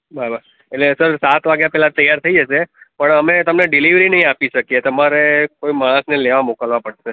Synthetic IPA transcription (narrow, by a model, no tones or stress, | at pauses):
bʱəabʱa | eʈlesəɾsat̪ʰʋaɡjãpɛɦlat̪əjaɾt̪ʰəid͡ʒət͡ʃʰepəɳəmet̪əmneɖɪliʋɾinəɦĩapiʃəkiet̪əmaɾekoimaɭ̃ə̃sneleʋamokəlʋapəɽʃe